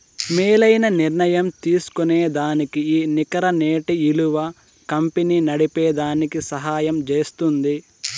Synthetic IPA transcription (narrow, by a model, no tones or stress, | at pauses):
meːlɐjnɐniɾnɐjɐmt̪iːsu̥kuneːd̪aːnikiiːnikɐɾɐneːʈiiluʋɐ | kɐmpeniːnɐɽipeːd̪aːnikisɐɦaːjɐmt͡ʃeːst̪und̪i